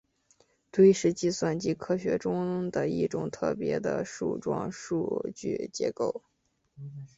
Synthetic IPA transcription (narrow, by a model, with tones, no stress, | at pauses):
t̪we˥ɪʂɻ̩˧˥t͡ɕi˥swa˥˩nt͡ɕi˥kʰɤ˥ɕɥɛ̰˧˥ʈ͡ʂʊ˥ŋd̪ə˨i˥˩ʈ͡ʂʊ˨˩ŋt̪ʰɤ˥˩pjɛ˧˥d̪ə̰˧ʂṵ˥˩ʈ͡ʂwɑ̰˥ŋʂṵ˥˧t͡ɕy̰˥˩t͡ɕjɛ̰˧˥ko˥˩ʊ